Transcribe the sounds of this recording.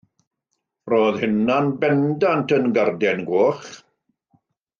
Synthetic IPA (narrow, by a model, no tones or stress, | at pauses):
roːðhɪnanbɛndantʰənɡardɛnɡwoːχ